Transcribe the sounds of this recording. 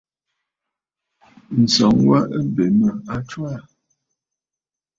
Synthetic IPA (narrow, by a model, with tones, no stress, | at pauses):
n̩˨sɔ˨˦ŋwa˦ʔə˦be˨mə˨a˦t͡ʃwa˦˨